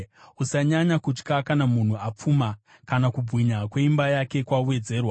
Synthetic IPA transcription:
usaɲaɲakut͡ʃkakanamun̤uap͡fuma | kanakubʱwiɲakwe̞imbajake̞kwauwe̞d͡ze̞ːrwa

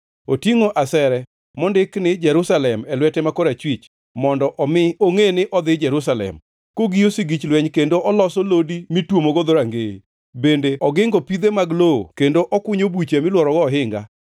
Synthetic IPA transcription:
otiŋoʔasɛɾɛ | mɔndɪknɪd͡ʒɛɾusalɛmɛlwɛtɛmakɔɾat͡ʃwit͡ʃ | mɔndɔʔmoŋenɪʔɔd̪ɪd͡ʒɛɾusalɛ̰m | koɡijosiɡit͡ʃlwɛɲkendoʔɔlɔsɔlodimɪtwomoɡod̪oɾaŋɡe | bendeɔɡɪŋɡɔpid̪emaɡloo̰kendoʔɔkwʊɲobut͡ʃemɪlwɔɾɔɡɔːɦɪŋɡa̰

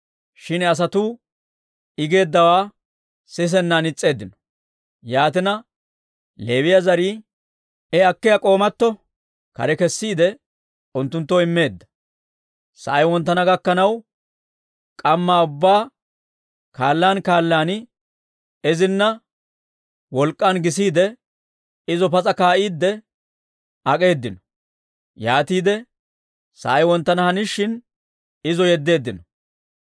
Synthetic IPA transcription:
ʃɪnɛɐs̬ɐt̪uː | ɪɡe̞ːd̪ːɐwaː | sɪs̬ɛnːanɪt͡sʼːe̞ːd̪ːɪnɔ̥ | jaːt̪ɪnɐ | le̞ːwɪjɐzɐɾiː | ɛɐkːɪjɐkʼo̞ːmɐt̪ːɔ | kɐ̰ɾɛkɛsːiːd̪ɛ | ʊnt̪ːʊnt̪ːɔɪmːe̞ːd̪ːɐ | sɐ̰ʔɐjwɔnt̪ːɐnɐɡɐkːɐnɐw | kʼɐmːaʊbːaː | kaːlːaːnkaːlːaːnɪ | ɛzɪnːɐ | wɔlkʼːɐnɡɪs̬iːd̪ɛ | ɪzɔpɐt͡sʼɐkaːʔiːd̪ːɛ | ɐkʼe̞ːd̪ːɪnɔ̥ | jaːt̪iːd̪ɛ | sɐ̰ʔɐjwɔnt̪ːɐnɐhɐnɪʃːɪn | ɪzɔjɛd̪ːe̞ːd̪ːɪnɔ

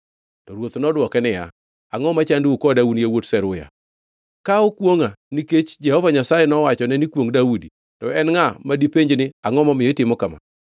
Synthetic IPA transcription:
tɔɾwot̪nɔdwɔkɛnɪja̰ | aŋɔmat͡ʃandɪukɔdaunjawotsɛɾʊja̰ | kaokwoŋaniket͡ʃd͡ʒɛhɔvaɲasajɛnɔwat͡ʃɔnɛnikwoŋdawudi | tɔɛnŋamadipeɲd͡ʒnɪaŋɔmamɪɔɪtɪmɔkama̰

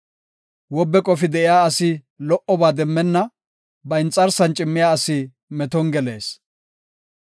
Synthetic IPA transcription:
wɔbːɛkʼɔfɪd̪ɛʔɪjaːɐsɪ | lɔʔɔbaːd̪ɛmːɛnːɐ | bɐɪnt͡sʼːɐɾsɐnt͡ʃʼɪmːɪjaːɐsɪ | mɛt̪ɔŋɡɛle̞̰ːs

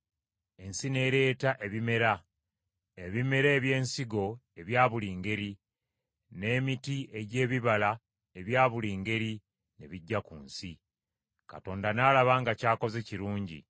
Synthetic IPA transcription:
e̞nsine̞ːɾe̞ːtaʔe̞βime̞ɾa | eβime̞ɾe̞ːβje̞ːnsiɡo̞ | e̞βjaːβuliːŋɡe̞ɾi | ne̞ːmitiʔe̞ɟe̞ːβiβala | e̞βjaːβuliːŋɡe̞ɾi | ne̞βiɟːakunsi | ka̰to̞ːndanaːlaβaːŋɡacaːko̞zeciɾuːɲɟḭ

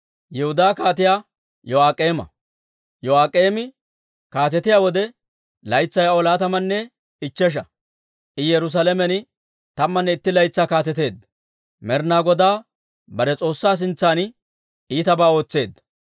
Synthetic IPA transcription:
jɛhʊd̪aːkaːt̪ɪjaː | jɔaːkʼeːmɐ̰ | jɔaːkʼːe̞ːmɪ | kaːt̪ɛt̪ɪjaːwɔd̪ɛ | lɐjt͡sːɐjaɔlaːt̪ɐmɐnːɛ | ɪt͡ʃːɛʃ̬ɐ | ʔɪjɛɾʊs̬aːlɛmɛnɪ | t̪ɐmːɐnːɛɪt̪ːɪlɐjt͡sːaːkaːt̪ɛt̪e̞ːd̪ | mɛɾnaːɡɔd̪aː | bɐɾɛt͡sʼo̞ːsːaːs̬ɪnt͡sːaːn | iːt̪ɐbaːo̞ːt͡sːe̞ːd̪ɐ

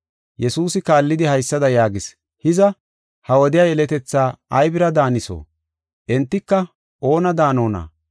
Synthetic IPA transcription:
jɛsuːsɪkaːlːɪd̪ɪhɐjsːɐd̪ɐjaːɡɪs | hɪzɐ | hɐwɔd̪ɪjaːjɛlɛt̪ɛt͡sːaːɐjbɪɾɐd̪aːnɪso̰ː | ʔɛnt̪ːɪkːɐ | ʔo̞ːnɐd̪aːno̞ːna̰ː

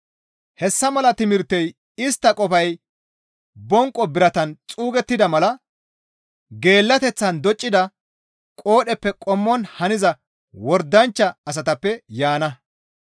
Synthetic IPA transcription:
hɛsːɐmɐlɐt̪ɪmɪɾt̪ːɛj | ɪst̪ːɐkʼɔfɐj | bɔŋkʼːɔbɪɾɐt̪ɐnt͡sʼuːɡɛt̪ːɪd̪ɐmɐlɐ | ɡe̞ːlːɐt̪ɛt͡sːɐnd̪ɔt͡ʃʼːɪd̪ɐ | kʼo̞ːɗɛpːɛkʼɔmːɔnhɐnɪzɐ | wɔɾd̪ɐnt͡ʃːɐːs̬ɐt̪ɐpːɛjaːnɐ

